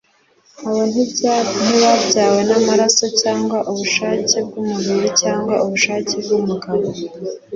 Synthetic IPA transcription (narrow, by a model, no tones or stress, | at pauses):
awonibɟaniwabɟaːwenamaɾaso̞caːŋɡwaʔuβuʃaːce̞b̚ɡumuβiɾicaːŋɡwauβuʃaːce̞b̚ɡumuɡaɾo